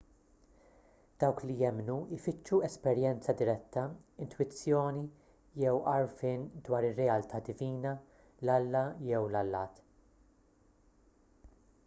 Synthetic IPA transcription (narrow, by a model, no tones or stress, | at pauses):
d̪̥ɐwklijɛmnuɪfɪt͡ʃːuɛspɛɾjɛnt͡sɐd̪ɪɾɛt̪ːɐɪnt̪wɪt͡sːjɔːni | jɛwɐɾfɪːnd̪wɐːɾɪrːɛɐlt̪ʰɐːd̪ɪviːnɐ | lɐlːɐjɛwlɐlːɐːt̪